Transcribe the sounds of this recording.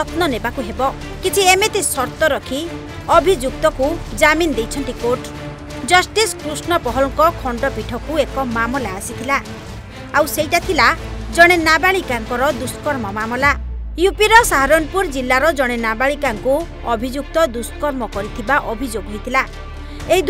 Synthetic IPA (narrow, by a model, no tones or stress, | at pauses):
ɔt̪nɔnebakuɦebɔ | kit͡ʃʰiemet̪isɔɾt̪ɔɾɔkʰi | ɔbʱid͡ʒuk̚t̪ɔkud͡ʒamind̪ejt͡ʃʰɔnt̪ikoɾʈ | d͡ʒɔsʈiskɾusnɔpɔɦɔlɔŋkɔkʰɔɳɖɔpiʈʰɔkuekɔmamɔlaasit̪ʰila | awseɦiʈat̪ʰila | d͡ʒɔɽ̃enabaɭikaŋkɔɾɔd̪uskɔɾmɔmamɔlajupiɾɔsaɦaɾɔnpuɾd͡ʒilːaɾɔd͡ʒɔɽ̃enabaɭikaŋku | ɔbʱid͡ʒuk̚t̪ɔd̪usɔ̥kɔɾmɔkɔɾit̪ʰibaʔɔbʱid͡ʒoɡɦojt̪ʰila | eɦid̪